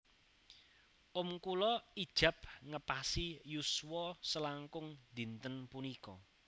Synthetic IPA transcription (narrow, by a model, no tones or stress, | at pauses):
ʔʊmkulɔid̥ʒ̥ä̤p̚ŋəpasijuswɔsəlaŋkʊŋd̪̥i̤nt̪ənpunikɔ